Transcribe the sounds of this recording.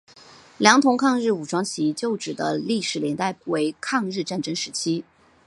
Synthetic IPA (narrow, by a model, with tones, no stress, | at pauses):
ljɑ˧˥ŋt̪ʰʊ˧˥ŋkʰɑ˥˧ŋɻɻ̩˥˩u˨˩ʈ͡ʂwɑ˥ŋt͡ɕʰi˧˥t͡ɕjo˥˩ʊʈ͡ʂɻ̩˨˩d̪ə̰˦li˥˩ʂɻ̩˨˩ljɛ˧˥nt̪a˥˩ɪwe˧˥ɪkʰɑ˥˧ŋɻɻ̩˥˧ʈ͡ʂa˥˩nʈ͡ʂɤ˥ŋʂɻ̩˧˥t͡ɕʰi˥